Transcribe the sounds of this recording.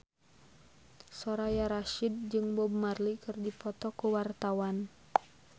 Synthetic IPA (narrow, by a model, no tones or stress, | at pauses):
sɔɾajaɾaʃid̚d͡ʒɨŋbɔbmarlikɨrdipɔt̪ɔkuwart̪awan